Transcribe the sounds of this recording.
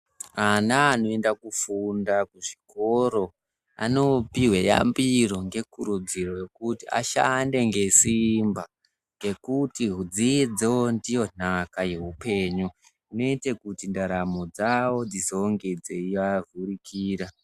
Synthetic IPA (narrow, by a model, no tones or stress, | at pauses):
anaːno̞e̞ndakufundakuʐiko̞ɾo̞ | a̰no̞piweja̰mbiro̞ŋɡe̞kuɾud͡ziro̞je̞kutia̰ʃa̰nde̞ŋɡe̞simba | ŋɡe̞kutiɦud͡zid͡zeondijo̞n̥akaje̞ɦupe̞ːɲu | ino̞itekutindaɾamod͡zawo̞d͡zizoŋɡed͡zeiʋavurikʰiːɾa